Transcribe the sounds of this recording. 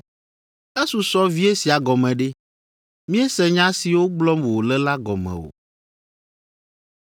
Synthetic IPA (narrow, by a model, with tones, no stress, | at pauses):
ɛ˦su˨sɔ˦vi˦e˦si˨a˨ɡɔ˨mɛ̃˨ɖe˦ | mĩ˦e˦sɛ˨ɲã˦si˨wo˦ɡ͡blɔ˦mwo˨lɛ˦la˦ɡɔ˨mɛ̰̃˨wo̰˨